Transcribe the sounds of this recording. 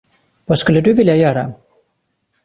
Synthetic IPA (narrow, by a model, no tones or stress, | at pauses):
vaːskɵlːəd̪ɵvɪljajœːɾa̰